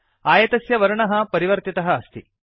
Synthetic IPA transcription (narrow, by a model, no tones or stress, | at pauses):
aːjɐt̪ɐsjɐʋɐɾɐɳɐɦɐ̆pɐɾiʋɐɾt̪it̪ɐɦɐːst̪ʰi